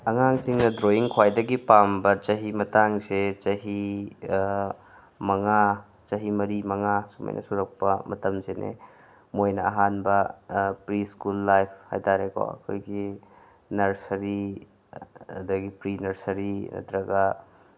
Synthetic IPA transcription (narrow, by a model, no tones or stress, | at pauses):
ɐŋaŋsiŋnɐdɾoiŋkʰwajdɐɡipambɐt͡ʃɐɦimɐtaŋzet͡ʃɐɦi | mɐŋa | t͡ʃɐɦimɐɾimɐŋasumɐ̰jnʔɐ̰suɾɐk̚pɐmɐtɐmzenḛ | mojnɐːɦanbɐpɾiskulːajpʰha̰jtaɾekʰo̰ɐ̰kʰo̰jɡi | nɐɾsɐɾi | ɐdɐɡipɾinɐɾsɐɾinɐ̰tɾɐɡɐ